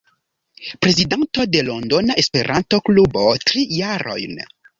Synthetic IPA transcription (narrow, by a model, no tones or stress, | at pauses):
pɾe̞zidanto̞de̞lo̞ndo̞naʔespe̞ɾʔanto̞klubo̞tɾijaɾʔo̞̰jn